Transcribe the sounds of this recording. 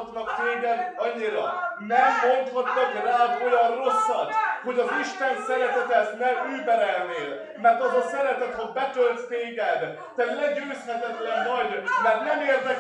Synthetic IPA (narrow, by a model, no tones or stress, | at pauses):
t̪nɒkt̪eːɡɛd̪ɒɲːiɾɒnɛmɦo̞nt̪hɒt̪ːɒkraːd̪o̞jɒnro̞sːɒt̪ho̞ɟɒziʃt̪ansɛɾɛt̪ɛt̪ɛznɛmyːbɛɾɛlneːl | mɛrt̪ɒɦɒsɛɾɛt̪ɛt̪hobɛt̪ølt̪ːeːɡɛd̪ | t̪ɛt̪lɛɟøːshɛt̪ɛt̪lɛnːɒjd̪mɛrt̪nɛmeːrd̪ɛ